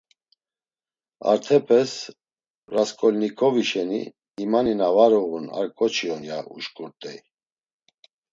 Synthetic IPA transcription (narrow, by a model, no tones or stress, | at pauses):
a̰ɾt̪ʰɛpʰɛs | raskʰʼɔlnikʰɔviʃɛnḭ | imaninavaɾɔɣuna̰ɾkʼɔt͡ʃʰiɔnjaʔṵʃkʼuɾt̪ʼɛj